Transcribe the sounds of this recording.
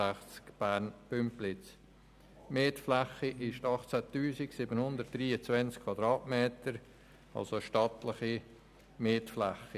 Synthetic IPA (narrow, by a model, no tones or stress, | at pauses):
æχt͡skb̥æːɾnpʏmplɪt͡s | meːtflæχiʔɪʃtɑχt͡sætyːsiksɪbənhʊnd̪ərt̚d̥ɾiːət͡svɛnt͡skʰvɑd̪ɾɑːtmeːtəɾ | ɑ̰lsoʃtɑtləχi | meːtflæχi